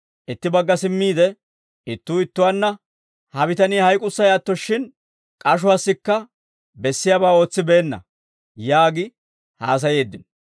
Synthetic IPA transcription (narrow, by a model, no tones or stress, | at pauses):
ʔɪt̪ːɪbɐɡːɐsɪmːiːd̪ɛ | ɪt̪ːuːɪt̪ːʊwanːɐ | hɐbɪt̪ɐniːhɐjkʼʊsːɐjaːt̪ːɔʃːɪn | kʼɐʃ̬ʊɐsːɪkːɐ | bɛsːɪjaːbaːo̞ːt͡sːɪbe̞ːnːɐ̰ | jaːɡɪ | ha̰ːs̬ɐjeːd̪ːɪnɔ